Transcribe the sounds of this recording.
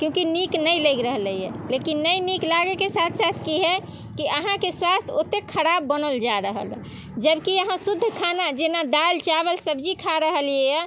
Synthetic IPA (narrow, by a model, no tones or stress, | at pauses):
kjõkiniknəjləɡɾəɦləjɛ̰lekinːəjniklaɡekesat̪ʰsat̪ʰkiɦɛ | kiəɦãkeswast̪ʰot̪ekʰːəɾabːənəld͡ʒaɾəɦə̰l | d͡ʒəbkiəɦãsud̪ʱːkʰanad͡ʒenad̪alt͡ʃabəlsəbd͡ʒikʰaɾəɦəlijɛjɛ